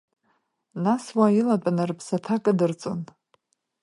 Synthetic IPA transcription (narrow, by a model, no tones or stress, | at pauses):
naswajilatʼanarpʰsatʰakʼadɨrt͡sʼɨ̰n